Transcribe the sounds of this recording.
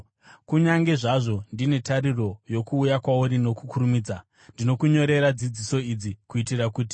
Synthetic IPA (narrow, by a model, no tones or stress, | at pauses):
kuɲaŋɡe̞ʐaʐo̞ndine̞taɾiro̞jo̞kuːjakwauɾino̞kukurumiːd͡za | ndino̞kuɲo̞ɾe̞ɾad͡zid͡ziso̞id͡zikuitirakuːti̥